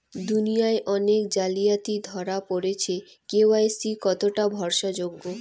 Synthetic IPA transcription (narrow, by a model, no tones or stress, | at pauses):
d̪unijaeʔɔnekd͡ʑalijat̪id̪ʱɔɾapoɾet͡ɕʰe | keoajsikɔt̪oʈabʱɔɾʃad͡ʑoɡːo